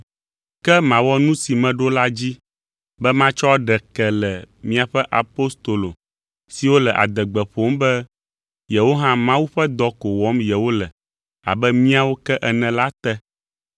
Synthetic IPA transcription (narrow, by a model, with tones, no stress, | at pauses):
kɛ˦mã˨wɔ˦nũ˦si˨mɛ̃˦ɖo˦la˦d͡ʑi˦ | bɛ˦mã˦t͡ʃɔ˦ɖɛ˨kɛ˨lɛ˨mĩ˦a˨ɸɛ˦ʔa˨po˦st̪o˨lo˨ | si˨wo˦lɛ˨ʔa̰˨d̪ɛ˨ɡ͡bɛ˨ɸo˦mbɛ˦ | je˨wo˦ɦã˦mã˦wu˦ɸɛ˦d̪ɔ˦ko˨wɔ˨˦mjɛ˨wo˦lɛ˨ | a̰˨bɛ˦mĩ˦a˨wo˦kɛ˦ʔɛ˨nɛ̃˨la˦t̪ɛ˦